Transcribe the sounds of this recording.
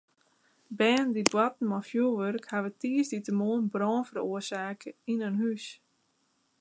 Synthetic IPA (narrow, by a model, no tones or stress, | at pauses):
bɛːndidwatn̩mɔfjulˠʋørkhaʋətiːəsditəmoənbrɔːnfəɾoərsaːkəinənɦys